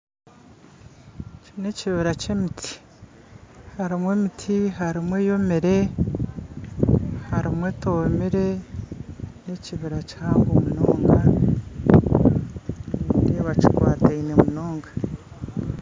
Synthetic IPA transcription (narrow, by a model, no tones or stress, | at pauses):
cine̞ciβiɾacemitʰi̥ | haɾimwe̞mitʰiɦaɾimwe̞jo̞miɾe̞ | haɾimwe̞tomiɾe̞ | neciβiɾachaːŋɡomunoːŋɡa | nideβacikwaːtainemunoːŋɡḁ